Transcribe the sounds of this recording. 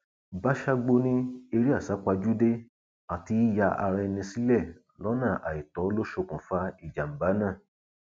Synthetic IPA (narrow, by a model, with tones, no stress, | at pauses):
ba˦ʃa˦ɡ͡bo˧nĩ˦e˧ɾi˦a˦˨sa˨˦k͡pa˧d͡ʒu˦de˦ | a˨ti˧˦i˦ja˧ʔa̰˧ɾɛ˧nĩ˧si˦lɛ˦˨ | lɔ˨˦nã˦˨ʔa̰˨i˨tɔ˨˦lo˦ʃo˧kũ˨fa˧˦i˦˨d͡ʒa˨m̩˨ba˨˦nãː˦˨